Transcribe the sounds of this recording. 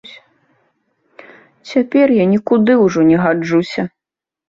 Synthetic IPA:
sʲ | t͡sʲapʲɛrjanʲikud̪ɨwʐɔnʲɛɣad͡ʐusʲɐ

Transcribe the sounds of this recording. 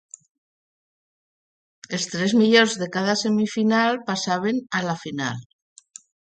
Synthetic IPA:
est̪ɾezmiʎonzðe̞kað̞ase̞mifinalpasaβ̞enalafina̰l

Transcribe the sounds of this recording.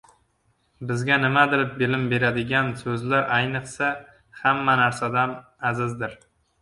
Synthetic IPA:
bɪzɡʲanɪmad̪ɪɾɪp̚bɪlɪmbe̞ɾad̪ɪɡʲansɵzlaɾʔajnɨqsa | hamːanaɾsad̪anazɪzd̪ɪɾ

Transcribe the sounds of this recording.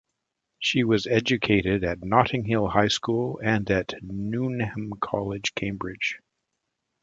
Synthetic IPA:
ʃiwʌzɛd͡ʒɨkʰeɪɾɪɾɨtⁿnɑɾɪ̃ŋɦɪlˠhaɪskulˠɨ̃nɨtⁿnunɛ̃mkʰɑlˠɪd̥ʒ̥kʰẽɪ̃mbɹɪd̥ʒ̥

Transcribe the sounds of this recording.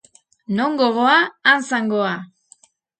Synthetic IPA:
no̞ŋɡoɣoaːnsaŋɡoa

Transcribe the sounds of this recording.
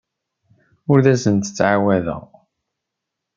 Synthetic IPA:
ʊɾðæsənt̪ə̥t͡sːʕawæðə̰ʁ

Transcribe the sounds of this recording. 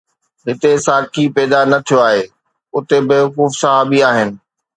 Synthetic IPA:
ɦɪt̪esaːkʰipɛːd̪anɐt̪ʰijoaːɦeː | ʊt̪ebeːʋʊkuːfsɐɦaːbiaːɦɪnɪ̆

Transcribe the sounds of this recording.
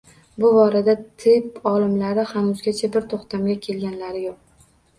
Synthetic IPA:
bʊbɒɾad̪at̪ʰɪpɒlɪmlaɾɪhanʊzɡʲat͡ʃʰabɪɾt̪ʰoχt̪ʰamɡʲakʲʰe̞lɡʲanlaɾɪjoq̚

